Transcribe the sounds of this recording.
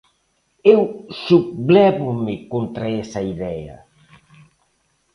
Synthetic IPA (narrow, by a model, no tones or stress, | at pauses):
ewsukβlɛβʊmɪkont̪ɾaesɐiðɛɐ̰